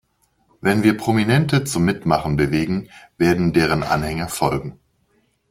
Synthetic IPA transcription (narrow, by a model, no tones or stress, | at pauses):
vɛnviːɐpʁ̥ominɛntət͡sʊmːɪtmaχn̩bəveːɡŋ̩veːɐdn̩deːʁ̞ənʔa̰nhɛŋɐfɔlɡŋ̩